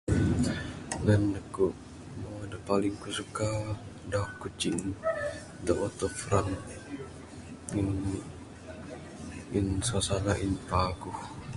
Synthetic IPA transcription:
nanːəkuʔ | modapaliŋkusukadaʔkut͡ʃin | d̪aʔɔt̪ɔfɾan | in | insasanaʔinpaɡuh

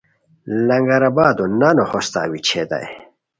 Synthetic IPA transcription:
lɐŋɡɐɾabaːd̪unanohost̪a̰ːwit͡ɕʰed̪a̰j

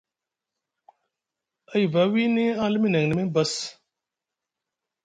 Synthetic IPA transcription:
ɐjvɐwiːnẽːaːlmĩnɐŋnəmẽːbɐs

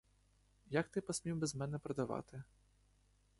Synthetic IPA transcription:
jakt̪ɨpɐsʲmʲimbʲɛzmɛnɛpɾɐd̪ava̰t̪ɨ

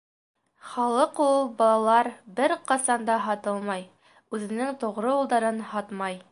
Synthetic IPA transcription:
χɑlˠɤqulˠbɒlˠɑlˠɑɾbɘɾqɑsɑnd̪ɑɦɑt̪ɤlˠmɑj | ʉðɘ̆nɘŋt̪ŏʁɾɤulˠd̪ɑɾɤnhɑt̪mɑj

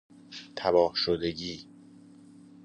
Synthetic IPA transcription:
t̪ʰæbɒːhʃod̪eɟiː

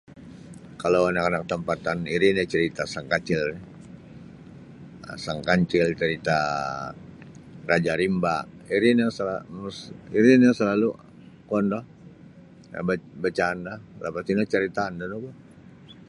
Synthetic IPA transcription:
kalawanakanak̚t̪əmpat̪aniɾɪnjat͡ʃəɾit̪asaŋkat͡ʃɪl | a̰saŋkaɲt͡ʃɪlt͡ʃəɾit̪a | rʔad͡ʒaɾimbaiɾɪnjaŋsəlasiɾɪnjaŋsəlalu | kɔndɔh | a̰babat͡ʃaːndahlapat̪inat͡ʃəɾit̪aːndanoba

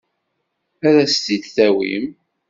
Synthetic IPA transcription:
æɾæst̪id̪θæwḭm

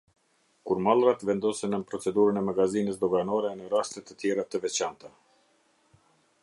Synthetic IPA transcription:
kuɾmalˠrat̪vɛnd̪ɔsɛnəmpɾɔt͡sɛd̪uɾənɛmaɡazinəs̬d̪ɔɡanɔɾɛnəɾast̪ət̪ət̪jɛɾat̪əvɛt͡ɕant̪a

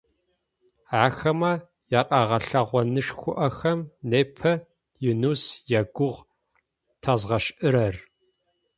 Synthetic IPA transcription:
aːxɐmɐ | jaːqʼɑːʁɐɬɐʁʷɔnɨʂxʷʊʔɐxɐmneːpʰɐ | jɪnuːsjɛɡʷʊʁ | tʰɐzʁɐɕʔɨɾɐr

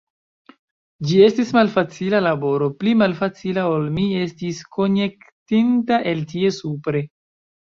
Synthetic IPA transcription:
d͡ʒie̞stismalfat͡silalabo̞ɾo̞plimalfat͡silao̞lmie̞stiskʰo̞ne̞ktintaʔe̞ltie̞supɾe̞

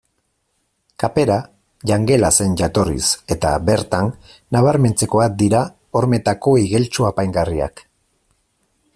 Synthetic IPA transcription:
kape̞ɾa | ʝaŋɡe̞lase̞nʝat̪o̞rḭse̞t̪a̰be̞ɾt̪anː | aβ̞aɾme̞nt͡se̞ko̞ak̚d̪iɾa | o̞ɾme̞t̪ako̞iɣe̞lt͡ʃuapajŋɡaria̰k

